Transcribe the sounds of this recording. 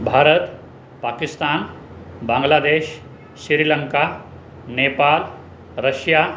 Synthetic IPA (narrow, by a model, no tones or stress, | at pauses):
bʱaːɾət̪ | paːkist̪aːn | bãŋɡlad̪eːɕː | iɾiləŋka | nepal | ɾəɕja